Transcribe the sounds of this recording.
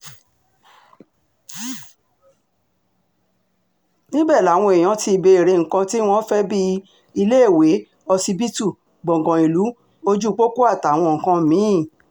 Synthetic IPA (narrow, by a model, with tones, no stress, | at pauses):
nĩ˦bɛ˦˨la˨˦w̃ɔ̃˧e˨j̃ɔ̃˨˧˦ti˧be˧˨ɾe˧ŋ̩˨kã˧ti˦w̃ɔ̃˦fɛ˦bi˦ | i˧le˦˨we˨˦ | ɔ˧si˧bi˦tu˦˨ | ɡ͡bɔ̃˨ɡɔ̃˨i˨lu˨˦ | o˧d͡ʒu˦k͡po˦ko˦a˦˨ta˨w̃ɔ̃˧˨ŋ̩˨kã˧˨mĩ˨˦˨